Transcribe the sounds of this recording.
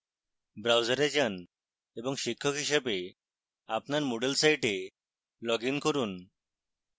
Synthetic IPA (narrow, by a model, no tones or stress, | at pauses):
bɾawd͡zəɾed͡ʑan | ebɔŋʃikʰːɔkɦiʃɛbe | apnaɾmoɖelsajʈe | lɔɡinkɔɾun